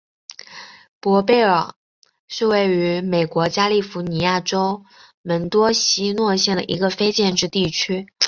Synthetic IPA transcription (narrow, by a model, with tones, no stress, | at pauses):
pwɔ˧˥pe˥˩ɪə̰˞˨˩ | ʂɻ̩˥˧we˥˩ɪy˧˥me˨˩ɪkwɔ˧˥t͡ɕja˥li˥˩fu˧˥ni˧˥ja˥˩ʈ͡ʂo˥ʊ | mə˧˥nt̪wɔ˥ɕi˥nwɔ˥˧ɕjɛ˥˩nd̪ə̰˩ʔḭ˧˥ɡə˧fe˥ɪt͡ɕjɛ˥˧nʈ͡ʂɻ̩˥˧t̪i˥˩t͡ɕʰy˥